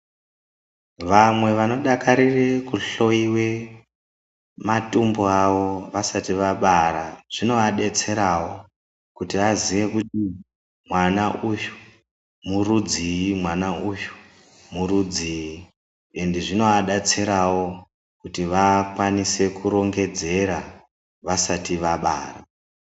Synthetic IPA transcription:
ʋamwe̞ʋano̞ɗakaɾire̞kuɬo̞iwe̞ | matumboaʋo̞ʋasatiʋaɓaɾaʐ̥ino̞aɗe̞t͡se̞ɾawo̞ | kutiʋaziʋe̞kuti | mwanaʔuju | murud͡ziimwanauju̥ | murud͡ziji | endiʐino̞aɗat͡se̞ɾawo̞ | kutiʋakwanise̞kuɾo̞ŋɡe̞d͡ze̞ɾa | ʋasatiʋaɓa̰ːra

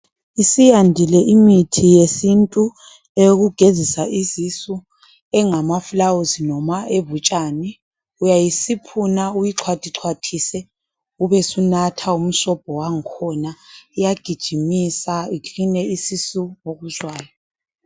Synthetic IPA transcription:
isijandʱilɛʔimitʰijesintʼu | eɣuɡ̥ʱezisaʔizisu | ɛŋamaflawuzinɔmaʔeβut͡ʃʼaːnɛ | ujajisipʰunaujiǁʰwatʼiǁʰwatʰisɛ | uβɛsunatʰaum̩ʃɔb̥̚ʱɔwaŋ̩kʰɔnaijaɡ̥ʱid̥ʒ̥ʱimisaikinɛisisuoɣuzwaːjɔ

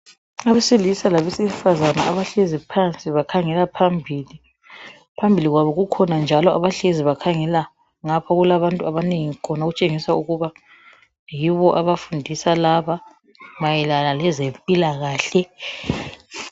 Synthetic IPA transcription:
aβɛsilisalaβɛsɛfazanaaβaɬezipʰant͡sʼiβakʰaŋɛlapʰambʱiːli | pʰambʱiliɣwaβɔɣukʰɔnand͡ʒʱalɔʔa̰βaɬeziβakʰaŋɛla | ŋapʰɔɣulaβantʼuaβaneŋikʰɔnaoɣut͡ʃʼeŋisauɣuβa | jiβɔʔaβafundʱisalaβa | majɛlalalɛzempʼilaɣaːɬɛ

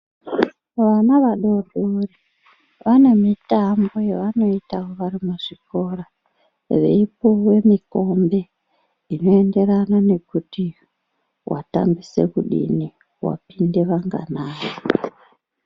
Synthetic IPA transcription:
ʋanaʋaɗo̞ruri | ʋane̞mitambo̞jeʋano̞itawoʋaɾimuʐ̥ikora | ʋḛipowe̞miko̞mbe̞ | ino̞ende̞ɾanane̞kuti | wʔa̰ta̰mbisḛkuɗḭni | wa̰pindeʋaŋɡa̰naːjo

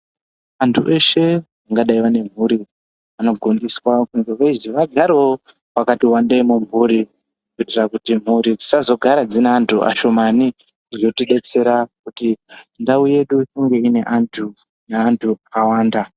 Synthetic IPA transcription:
antʰuʔe̞ʃe̞ | aŋɡaɗaiʋane̞m̤uɾi | ano̞ɡʱondiswakunzeʋeiziʋaɡʱaɾewo | wakatiwandemumuɾi | kukitirakutim̤uɾid͡zisazo̞ɡʱaɾad͡zineantʰuʔa̰ʃo̞mani | rijotiɗe̞t͡se̞ɾakutindauje̞ɗujoŋɡe̞ine̞ʔantʰu | neːntʰuakawaːnda

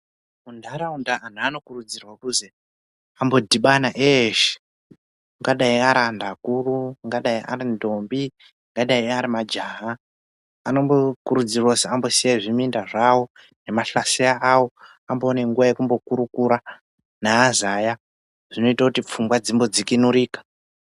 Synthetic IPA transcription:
undaɾaundaan̤uano̞kurud͡zirwakuze | ambo̞dʱiɓanaʔeʃe̥ | ŋɡaɗaiaɾandakuruŋɡaɗaiʔa̰ɾindo̞mbi | ŋɡaɗaiaɾimad͡ʒaɦaː | no̞mbokuɾud͡zirwoseambo̞sijaiʐimindaʐawo̞ | ne̞maɬaseaawo̞ | ambo̞ːne̞ŋɡuʋaje̞kumbo̞kuɾukuɾa | naːzaja | ʐ̥ino̞itakutip͡fumɡwad͡zimbo̞d͡zikinuɾiːkḁ

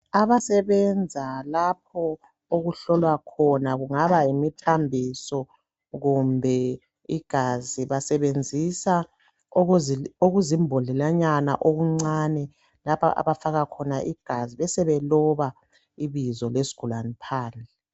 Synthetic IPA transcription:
aβasɛβɛnd͡zʱalap̚ʰɔ | oɣuɬɔlwakʰɔnaɣuŋaβaimitʰambʱisɔ | ɣumbʱɛ | iɡ̥ʱaziβasɛβend͡zʱisa | oɣuzimbʱolilaɲana̰ʔoɣuŋ͡ǀanɛ | lapʰa̰ʔa̰βafaɣakʰɔnaʔiɡ̥ʱaziβɛsɛβɛlɔβa | iβizɔlesi̥ɡ̥ʱulanipʰaːnd͡ɮɛ

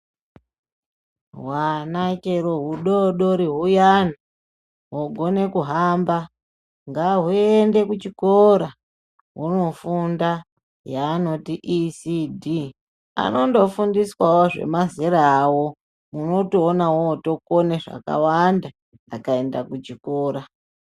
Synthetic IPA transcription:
ɦwanakeɾoɦuɗoɗo̞ɾiɦujana | ɦoɡʱo̞ne̞kuɦamba | ŋɡaɦue̞nde̞kut͡ʃikoɾa | ɦuno̞funda | jaːno̞tiʔːsidʱi | a̰no̞ndo̞fundiswawoʐe̞̰maziɾaːwo̞ | muno̞toːnawoto̞koneʐa̰ka̰wandaː | kae̞nda̰kut͡ʃiko̞ːɾa

